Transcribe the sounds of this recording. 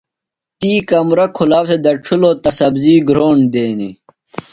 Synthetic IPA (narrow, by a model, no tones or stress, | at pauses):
t̪iːkɐmɾɐkʰulaːbsed̪ɐʈ͡ʂʰuloːt̪ɐsɐbziːɡɾoːɳd̪eːnḭ